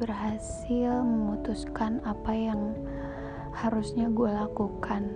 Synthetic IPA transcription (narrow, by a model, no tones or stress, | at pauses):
bərɦasɪlməmut̪uskanapajaŋ | haɾusɲaɡualakukʰan